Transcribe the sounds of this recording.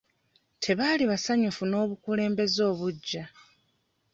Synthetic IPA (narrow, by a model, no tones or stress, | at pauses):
tʰe̞βaːliβasaɲufuno̞ːβukule̞ːmbe̞zo̞ːβuɟːa